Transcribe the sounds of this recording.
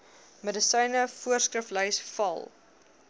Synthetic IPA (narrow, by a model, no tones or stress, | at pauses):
mədəsɛjnəfuərskrəfləjsfɐ̰lˠ